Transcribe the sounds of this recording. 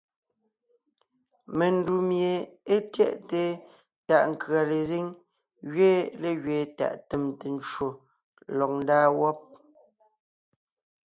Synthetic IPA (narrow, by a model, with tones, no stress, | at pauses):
me˨n˦du˨mje˨e˦tjɛ˦˨ʔte˨ | ta˨ʔŋ̩˨kɰa˨le˨ze˦ŋ | ɣɥeː˦le˨ɣɥeː˨ta̰˨ʔte˨mte˨n˦t͡ʃwo˨ | lɔ˨k̚n̩˦daː˦wɔ˦p̚